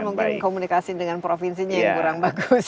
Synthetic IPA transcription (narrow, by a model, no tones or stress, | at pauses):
muŋkɪnkomunikasidəŋanpɾofins̬iɲajaŋkuɾaŋbaɡus